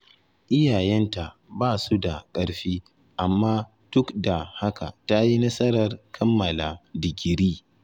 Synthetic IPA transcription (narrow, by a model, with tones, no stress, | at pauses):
ʔɪ˦jaː˨jɛ˦nta˨ʔbaː˦su˦da˨kʼɐ˦ɽɸiː˦ | ʔa˨mːaː˦ | d̥ʊ˦kda˨ha˦ka̰˨ta˦ji˦nɐ˦sɐ˦ɾɐ˨rkʰɐ˦mːɐ˨la˨dɪ˨ɡʲɪ˨ɾiː˦